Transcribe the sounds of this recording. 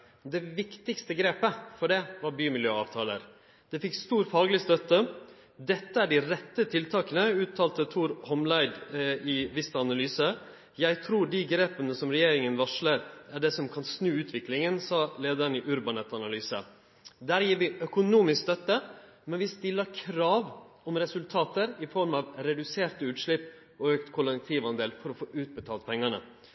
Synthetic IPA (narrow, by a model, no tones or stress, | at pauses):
d̪ɛʋɪkt̪ɪkst̪əɡɾeːpəfɔɖɛʋɑɾbyːmɪljøːɑ̰ːʋt̪ʰɑːlə̰ɾ | d̪̥ɛfɪkːst̪uːɾfɑːɡlɪst̪œt̪ːə | d̪ɛt̪ːəæɖɪɾɛt̪ːət̪ʰɪlt̪ʰɑːkənəʉːt̪ʰːɑːlt̪ət̪ʰuːɾhɔmlæɪd̪ɪʋɪst̪ɑnɑlyːsə | jæɪt̪ʰɾuːɖiɡɾeːpənəsɔmɾɛjeːɾɪŋənʋɑʂləɾæɖɛsɔmkʰɑnsnʉːʉːt̪ʰʋɪklɪŋənsɑːleːd̪əɾnɪʔʉɾbɑnɛt̪ɑnɑlyːsə̰ | d̪æːɾjiːɾʋɪʔœkʊnuːmɪskst̪œt̪ːə | mɛnʋɪst̪ɪlːəɾkʰɾɑːʋɔmɾɛsʉlt̪ʰɑːt̪əɾɪfɔɾmɑʋɾɛd̪ʉseːɾt̪ʉːt̪ʂɭɪpː | ɔøːkt̪kʰʊlɛk̚t̪ʰiːʋɑnd̪eːlfɔɾɔfoːʔʉːt̪̚bət̪ʰɑːlpʰɛŋːɑɳə̰